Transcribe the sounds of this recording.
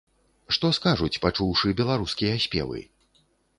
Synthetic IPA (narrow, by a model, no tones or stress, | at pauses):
ʂt̪ɔskaʐut͡sʲpat͡ʂuwʂɨbʲɛlˠaɾuskʲijɐːsʲpʲɛ̰vɨ̰